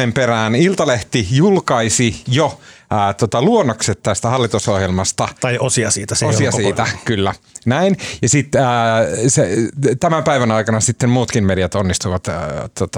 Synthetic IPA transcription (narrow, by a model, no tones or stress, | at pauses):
emperæːnilt̪ɑleht̪ijulkɑisijoːt̪ot̪ɑluonːokset̪t̪ːæst̪æhɑlːit̪usohjelmɑst̪ɑt̪ɑjosiɑsiːt̪æseosiɑsiːt̪ækylːænæinjɑsit̪ːset̪æmæmpæiʋænɑikɑnɑsit̪ːemmuːt̪kimmeɾiæt̪onːist̪uiʋɑt̪t̪ːot̪ɑ